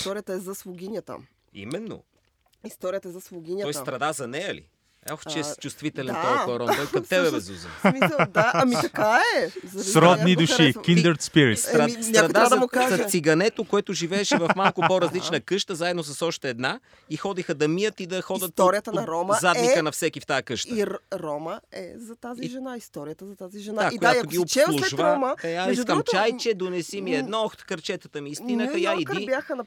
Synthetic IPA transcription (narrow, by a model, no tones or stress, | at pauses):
ist̪ɔɾijət̪əɛzɐsvʊɡʲinʲət̪ə̰ | ḭmɛnːo̰ | ist̪ɔɾijət̪əɛzɐsvʊɡʲinʲɔjst̪ɾɐd̪azɐnɛjəlḭ | aft͡ʃɛt͡ʃust̪vit̪ɛlɛnooɾɔmd̪ojkɐt̪ɛbɛvɛzṵzə̰mid̪aɐmikɐkaɛzɐsɾɔd̪nid̪uʃikind̪əɾt̪spiɾit̪st̪ɾɐisʲaɾɐd̪aad̪mʊkaʒɐsiɡɐnɛt̪okoɛt̪ʊʒivɛːʃɛvɐmalˠkopoɾɐzlit͡ʃnəkɤʃt̪əzaɛd̪nos̬ɐsɔʃt̪ɛːd̪na | ixɔd̪ixəd̪ɐmijət̪id̪ɐxɔd̪ət̪̚t̪oɾdijəəɾɔməzad̪ikənɐfsɛkift̪ajəkɤʃt̪əɾɔməɛ̰zɐt̪azʒɛnaist̪ɔɾijət̪əzɐt̪aziʒɛnaaojaoɡʲiopt͡ʃɛlˠuʃvaɔməd̪ɐaiʒkɐmt͡ʃajt͡ʃɛd̪onɛsimiɛd̪nɔxt̪kɐɾt͡ʃɛt̪ət̪əmiist̪inəxɐjaiibjaxənɐ